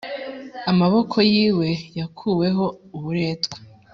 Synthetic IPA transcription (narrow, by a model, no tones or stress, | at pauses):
amaβo̞kʰo̞jiːwe̞jakʰuːwe̞ɦo̞uβuɾe̞ːtɡ̥we̥